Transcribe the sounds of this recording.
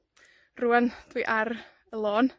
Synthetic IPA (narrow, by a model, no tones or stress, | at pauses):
ruːənd̥wiʔaɾ | əlˠoːn